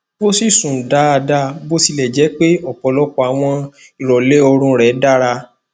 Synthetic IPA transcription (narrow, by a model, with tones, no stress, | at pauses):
bo˦si˦˨sũ˨da˨˦a˧da˦bo˦si˧lɛ˨d͡ʒɛ˨˦k͡pe˦ɔ˦˨k͡pɔ˨lɔ˦kɔ˦a˨w̃ɔ̃˧ | i˨ɾɔ˨le˦o˧ɾ̃ũ˧ɾɛ˨˦da˦ɾa˧